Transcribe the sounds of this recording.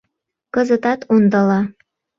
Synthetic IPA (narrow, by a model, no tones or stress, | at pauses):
kəzət̪ɑt̪und̪əlɑ